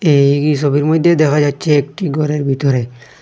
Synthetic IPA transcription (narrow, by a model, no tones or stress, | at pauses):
eikisɔbiɾmɔd̪ʱjed̪ɛkʰad͡ʒatːʃʰeːkʈiɡʱɔɾeɾbʱit̪ɔɾe